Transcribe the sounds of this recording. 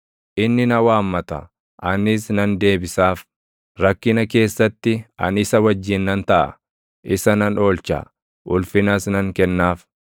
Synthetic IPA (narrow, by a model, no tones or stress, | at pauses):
ʔɪnːɪnɐwaːmːɐt̪ɐ̰ | ʔɐnɪsnɐnd̪e̞ːbɪsaːf | ɾɐkːɪnɐke̞ːsːɐt̪ːɪɐ̰nɪsɐwɐd͡ʒːɪnːɐnt̪ɐʔɐ̰ | ʔɪsɐnɐno̞ːlt͡ʃa̰ | ʔʊlfɪnasnɐŋkɛnːaːf